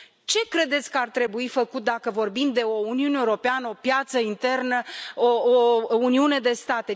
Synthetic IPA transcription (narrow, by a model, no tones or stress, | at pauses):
t͡ʃe̞kɾe̞d̪e̞t̪sʲkəart̪ɾe̞buifəkut̪̚d̪akəvo̞rbimd̪e̞o̞uniuneuɾo̞peanəo̞pjat̪səint̪e̞rnəoouniune̞d̪e̞st̪at̪e